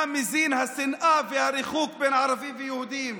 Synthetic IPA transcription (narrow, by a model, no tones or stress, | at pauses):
amɪziːnhasɪnʔafihaɾɪxuːk̚beːnʕɑɾˤɑbɪːvɪjʊhd̪iːm